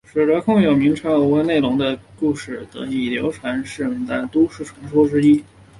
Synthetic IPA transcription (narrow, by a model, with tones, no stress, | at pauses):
ʂ̩˨˩lə˧˥kʰʊ˥˩ŋjo˨˩ʊmi˧˥ŋʈ͡ʂʰa˧˥u˧˥we˧ne˥˩ɪlʊ˧˥ŋd̪ə˧ku˥˧ʂɻ̩˥˩t̪ɤ̰˧˥i˧˥˩ljo̰˧˥ʊʈ͡ʂʰwa˧˥nʂɻ̩˥˩˧t̪a˥˩nt̪u˥ʂɻ̩˥˩ʈ͡ʂʰɤ˧˥ŋʂwɔ˥ʈ͡ʂɻ̩˥i˥